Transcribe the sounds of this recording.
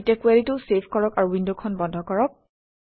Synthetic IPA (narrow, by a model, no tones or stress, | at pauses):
tɛkuaɹitʊsepʰkɔɹɔkaɹuwindokʰɔnbɔndʱɔkɔɹɔk̚